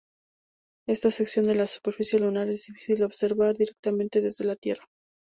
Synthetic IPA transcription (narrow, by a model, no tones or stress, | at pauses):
e̞st̪ase̞ksjo̞nd̪e̞lasu̥pe̞ɾfisjelunaɾe̞zðifi̥sild̪eo̞βse̞ɾβaɾðiɾe̞k̚t̪amẽnt̪e̞ðe̞zðe̞lat̪je̞ra